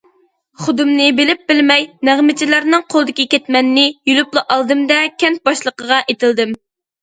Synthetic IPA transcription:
χʊd̪ɨmnɨbɪlɪp̚bɪlmɛjnæʁmɪt͡ʃʰilæɾnɨŋqʰolˠɨd̪ɪkʲikʲɛt̪mɛnːɪjylyplˠɨʔɑlˠd̪ɨmd̪ɛkʲʰɛnt̪̚bɑʃlˠəqəʁɑʔet̪ʰɪld̪ɪm

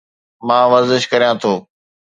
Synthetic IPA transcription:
mãːʋɐɾzɪʃkɐɾijãːt̪ʰoː

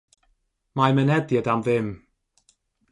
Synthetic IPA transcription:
majmənɛdjədamðɪm

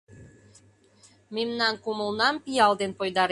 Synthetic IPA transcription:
memnɑnkumə̆lˠnɑmpijɑlˠd̪enpojd̪ɑɾ

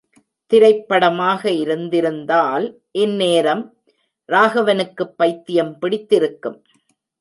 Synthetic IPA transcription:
t̪ɪɾɐɪpːɐɽɐmaːɣɐɪɾɯnd̪ɪɾɯnd̪aːl | ʔɛnːeːɾɐm | ɾaːɣɐʋɐnɯkːɯpːɐɪt̪ːɪjɐmpɪɽɪt̪ːɪɾɯkːɯm

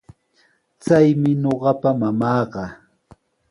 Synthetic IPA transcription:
t͡sajmɪɲoɢɑpamamɑːɢɑ

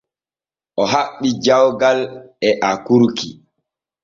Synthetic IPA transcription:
ʔɔɦaɓːid͡ʒawɡalɛʔakuɾki

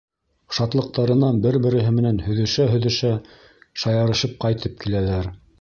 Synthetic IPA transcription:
ʃɑt̪lˠɤ̆q̚t̪ɑɾɤ̆nɑnbɘɾbɘ̆ɾɘ̆ɦɘmɘ̆nænhɵ̆ðɵ̆ʃæɦɵ̆ðɘ̆ʃæ | ʃɑjɑɾɤ̆ʃɤp̚qɑjt̪ʰɤp̚kilælæɾ

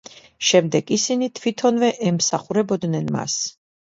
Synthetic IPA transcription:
ʃɛmd̪ɛɡisinit̪ʰwit̪ʰɔnvɛʔɛmsaχuɾɛbɔd̪nɛnma̰s

